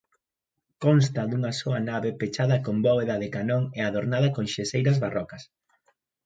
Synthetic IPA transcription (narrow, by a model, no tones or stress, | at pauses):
kɔns̬t̪ɐðuŋɐsoɐnaβepet͡ʃaðɐkombɔβeðɐðɪkanoŋeaðoɾnaðɐkoŋʃesejɾɐzβarɔkɐs